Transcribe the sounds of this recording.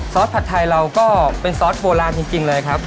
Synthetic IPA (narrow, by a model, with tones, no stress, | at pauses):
sɔː˦˥t̪̚pʰa˨˩t̪ʰːa˧jɾa˧wkɔː˥˩pe˧nsɔː˦˥t̪̚boː˧laː˧nt͡ɕi˧ŋt͡ɕi˧ŋlɤː˧jkʰɾa˦˥p̚